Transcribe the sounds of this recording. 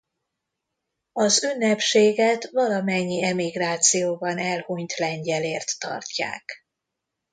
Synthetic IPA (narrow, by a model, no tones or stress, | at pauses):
ɒzynːɛpʃeːɡɛt̪vɒlɒmɛɲːiɛmiɡraːt̪sijoːbɒnɛlhuɲt̪lɛɲɟɛleːrt̪ːɒ̰rcːa̰ːk